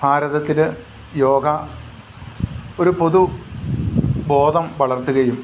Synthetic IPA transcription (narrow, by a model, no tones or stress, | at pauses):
bʱaːɾɐðɐt̪ːinlɨ | joːɡɐ | oɾupo̞ðu | bo̞ːd̪ʱɐmʋɐɭɐrt̪ːuɣɐjum